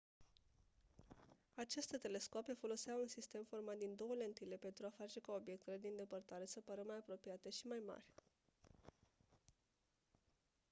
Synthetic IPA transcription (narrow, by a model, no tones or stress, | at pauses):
at͡ʃest̪et̪e̞le̞skope̞fo̞lo̞seaunsist̪e̞mfo̞rmat̪̚d̪ind̪o̞wəlent̪ilepe̞nt̪ɾuafat͡ʃe̞kao̞bje̞k̚t̪e̞led̪e̞ɨnd̪e̞pərt̪aɾe̞səpəɾəmajapɾo̞pijat̪eʃimajma̰rʲ